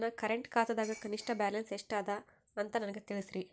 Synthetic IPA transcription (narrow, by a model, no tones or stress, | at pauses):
nːɐkɐɾeɳʈkaːt̪ɐd̪aːɡɐkɐniʂʈɐbaːlɐnseʂʈaːd̪ɐ | ɐnt̪ɐnɐnɐɡet̪iɭisɾi